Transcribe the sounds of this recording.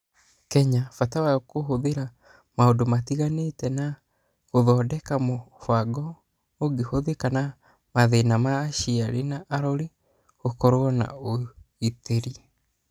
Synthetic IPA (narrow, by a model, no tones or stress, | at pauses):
kɛɲafatawakoɦoðeɾa | maondomatiɣanetɛna | ɣoðɔdɛkamofwaɡɔ | oɡehoðekana | maðenamaːʃiaɾenaʔaɾɔɾi | ɣokɔɾoɔna̰oiteɾi